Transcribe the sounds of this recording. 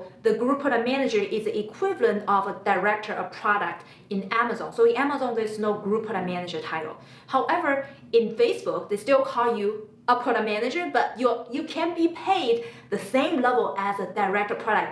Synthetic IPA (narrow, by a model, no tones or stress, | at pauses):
ðəɡɹupʰɔɾəmænɨd͡ʒə˞ʔɪziikʰw̥ɪvlə̃ntʌvədəɹɛk̚tʰə˞ʔəpʰɹ̥ɑɾək̚t | ɨ̃næməzɑ̰̃nsoʊɪ̃næməzɑ̃nðə˞znoʊɡɹupʰəɾəmænɨd͡ʒə˞tʰaɪɾl̩ˠ | haʊʔɛvə˞ | ɪ̃nfeɪsb̥ʊk̚ðestɪlˠkʰɔlˠju | əpʰɔɾəmænɨd͡ʒə˞bʌtjəjɨkʰɨ̃nbipʰeɪd̚ðɨsẽɪ̃mlɛvl̩ˠɨzədaɪɹɛk̚tə˞pʰɹ̥ɑɾək̚